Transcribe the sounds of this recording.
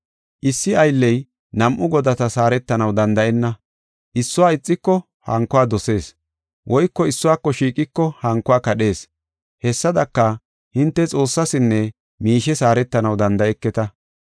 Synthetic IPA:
ʔɪsːɪɐjlːɛj | nɐmʔʊɡɔd̪ɐt̪ɐsaːɾɛt̪ːɐnɐwd̪ɐnd̪ɐʔɛnːɐ | ʔɪsːʊwaːɪt͡sʼːɪkːɔ | hɐ̰ŋkːʊwaːd̪ɔse̞ːs | wʔɔjkːɔɪsːʊwaːkːɔʃiːkʼɪkːɔhɐŋkːʊwaːkɐɗe̞ːs | hɛsːɐd̪ɐkːɐ | hɪnt̪ːɛt͡sʼo̞ːsːɐsɪnːɛ | miːʃɛsaːɾɛt̪ːɐnɐwd̪ɐnd̪ɐʔɛkːɛt̪ɐ

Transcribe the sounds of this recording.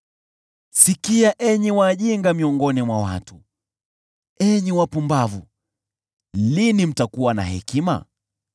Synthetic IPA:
sikiaʔɛɲiwaːʄiŋɡamiɔŋɡɔnimwawa̰tu | ɛɲiwapumbavu | linim̩takuwana̰ɦɛ̰kima̰

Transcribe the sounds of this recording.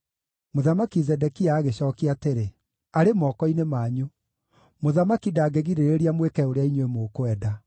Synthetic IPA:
moðamakizɛdɛkiaːɣeɕɔːkiateɾe | aɾemɔːkɔinemaːɲo | moðamakidaːɡeɣiɾeɾeɾiamwekɛoɾeaiɲwemokoɛda

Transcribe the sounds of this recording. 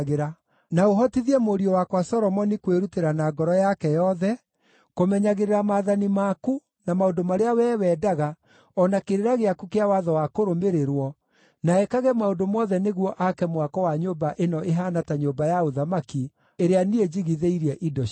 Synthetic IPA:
ɣeɾa | naoɦɔtiðiɛmoɾiɔwakwasɔɾɔmɔnikweɾuteɾanaɡɔɾɔjakɛjɔðɛ | komɛɲaɣeɾeɾamaːðanimaku | namaondomaɾeawɛːwɛːdaɣa | ɔnakeɾeɾaɣeakukeawaðɔwakoɾomeɾeɾwɔ | naɛkaɣɛmaodomɔðɛneɣwɔʔakɛmwakɔwaɲobaʔenɔeɦanataɲobajaoðamaki | eɾeanied͡ʒiɣiðeiɾɛʔidɔ

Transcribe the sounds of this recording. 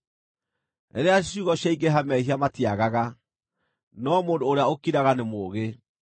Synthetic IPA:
ḛɾeaʃuɣɔɕjaiɡeɦamɛhiamatiaɣaɣa | nɔmoːndoːɾeaokiɾaɣanemoːɣe

